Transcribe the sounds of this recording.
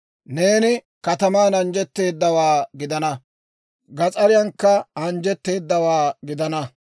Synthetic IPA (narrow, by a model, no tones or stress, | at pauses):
ne̞ːnɪ | kɐt̪ɐmaːnɐnd͡ʒɛt̪ːe̞ːd̪ːɐwaːɡɪd̪ɐnɐ | ɡɐt͡sʼɐɾɪjɐŋkːɐɐnd͡ʒɛt̪ːe̞ːd̪ːɐwaːɡɪd̪ɐnɐ